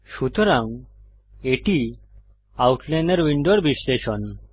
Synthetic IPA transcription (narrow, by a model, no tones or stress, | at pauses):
ɕut̪ɔɾãŋ | eʈi | auʈʰleneɾʋiɳɖoɽbisleɕɔn